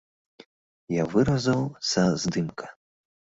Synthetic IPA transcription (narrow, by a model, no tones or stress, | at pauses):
javɨɾɐzɐwsɐzd̪ɨmkʰɐ̥